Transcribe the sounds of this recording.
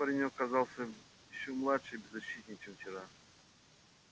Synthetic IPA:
pɐɾʲɪnʲokɐzalˠsʲə | jɪɕːomlˠatʂɨjbʲɪzːɐɕːit̪ʲnʲɪt͡ɕɛmft͡ɕɪɾa

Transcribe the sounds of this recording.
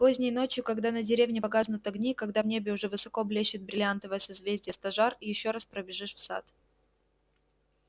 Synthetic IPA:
pozʲnʲɪjno̞t͡ɕjʊkɐɡd̪anədʲɪɾʲevnʲɪpɐɡaznʊt̪ɐɡnʲikɐɡd̪avnʲebʲɪʊʐɛvɨsɐko̞blʲeɕːɪt̪̚bɾʲɪlʲɪant̪əvəjəsɨzvʲezʲdʲɪjəst̪ɐʐarijɪɕːo̞ɾaspɾəbʲɪʐɨʂfsa̰t̪

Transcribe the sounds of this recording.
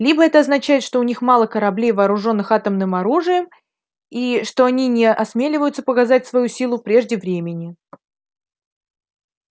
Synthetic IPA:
lʲibəɛt̪əɐznɐt͡ɕæjɪt̪ʂt̪oʊnʲixmɑlˠəkəɾɐblʲejvɐːɾʊʐo̞nːɨxat̪əmnɨmɐɾuʐɨjəm | iʂt̪o̞ɐnʲinʲɪʔɐsmʲelʲɪvəjʊt̪səpəkazat̚ʲsvɐjusʲilˠʊpɾʲe̞ʐdʲɪvɾʲemʲɪnʲɪ

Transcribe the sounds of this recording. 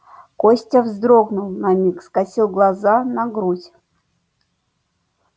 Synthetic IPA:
kosʲtʲəvzd̪ɾoɡnʊlˠnɐnʲixskɐsʲilˠɡlˠɐzanɐɡɾutʲ

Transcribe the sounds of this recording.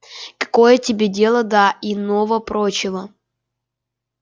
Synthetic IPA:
kɐ̥kojətʲɪbʲedʲe̞lˠəd̪aɪnovəpɾot͡ɕɪvə

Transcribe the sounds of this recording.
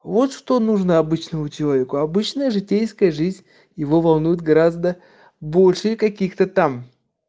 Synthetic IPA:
vo̞t̪ʂt̪onuʐnəɐbɨt͡ɕnəmʊt͡ɕɪovʲɪkʊɐbɨt͡ɕnəjəʐɨtʲejskəjəʐɨzʲnʲ | jɪvo̞vɐlˠnujɪt̪̚ɡɐɾazd̪ə | bo̞lʲʂɨjkɐkʲixt̪ət̪am

